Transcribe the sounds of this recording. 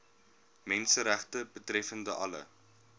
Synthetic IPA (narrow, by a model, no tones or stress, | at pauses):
mɛnsəɾæχtəbətrɛfəndəʔɐ̰lə̰